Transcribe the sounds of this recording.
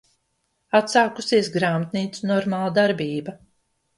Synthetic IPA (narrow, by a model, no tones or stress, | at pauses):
at̪saːkusiɛsɡɾaːmat̪niːt̪sunɔɾmaːlˠad̪aɾbiːba